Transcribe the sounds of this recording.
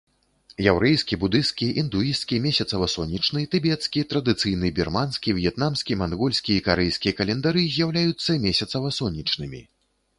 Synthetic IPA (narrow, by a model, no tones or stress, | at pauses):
jɛwɾɛjskʲibud̪ɨst̪kʲiʔind̪uiskʲimʲesʲɐt̪sɐvɐsɔnʲːit͡ʂnɨt̪ɨbʲɛt̪skʲit̪ɾɐd̪ɨt̪sɨjnɨbʲirmanskʲivʲjɛt̪namsʲkʲimanɣɔlʲsʲkʲiikaɾɛjskʲijɐkɐlʲɛnd̪aɾɨzʲjawlʲajut̪sːɐmʲesʲɐt̪sɐvɐsɔnʲːit͡ʂnɨmʲḭ